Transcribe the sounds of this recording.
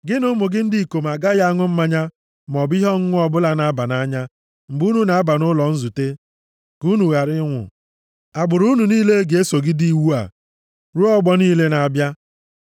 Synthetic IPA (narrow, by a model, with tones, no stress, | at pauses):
ɡɪ˦nʊ˦mʊ˨ɡɪ˦n̩˦di˦i˨ko˨m˨a˨ɡa˦ja˦a˦ŋʊ˦m̩˦ma˦ɲa˦ | m˨ɔ˨bi˦ɦɔ˦ŋ̩˦ŋʷʊ˦ɔ˦bʊ˦la˦na˨a˦ba˨na˦ɲa˦ | m̩˨bu˦nu˨na˨a˦ba˨nʊ˦lɔ˨n̩˦zu˨te˦ | ku˦nu˨ɣa˨ɾɪ˦ŋʷʊ̰˨ | a˨ɡ͡bʊ˨ɾu˦nu˨niː˦le˦ɡe˨e˦so˨ɡɪ˦di˦i˦˨wu˦a̰˨ | ɾu˦ɔ˦ɡ͡bɔ˦niː˦le˦na˨a˨bja˦